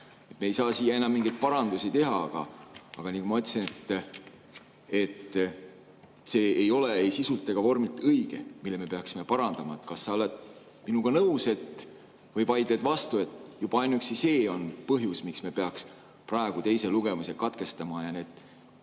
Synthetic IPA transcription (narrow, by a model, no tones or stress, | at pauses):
et̪mejsɑːsiːjɑe̞nɑmːiŋɡ̥ejt̪̚pɑɾɑnd̪̥usit̪e̞ɦɑɑɡ̥ɑ̰ɑ̰ɡ̥ɑniːkumɑot̪ʲːˑsinet̪ː | e̞t̪ː | se̞ːejo̞leejsisult̪ːˑe̞ɡ̥ɑvo̞rmilt̪ɤjɡ̥e̞̰milːeme̞pe̞ɑksime̞pɑɾɑnd̪ɑmɑet̪̚kɑsːɑo̞le̞d̪ | minuɡ̥ɑnɤuse̞t̪ | vɤjvɑjd̪ed̪vɑst̪ue̞t̪ˑjub̥ɑɑjnyksise̞ːo̞npɤɦjusmiksme̞pe̞ɑks | prɑeɡ̥ut̪e̞jse̞luɡ̥e̞muse̞kɑt̪ke̞st̪ɑmɑjɑneːd̪̥